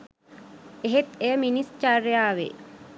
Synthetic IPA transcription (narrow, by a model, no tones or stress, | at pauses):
eɦet̪ejəminist͡ʃarːejaːʋḛ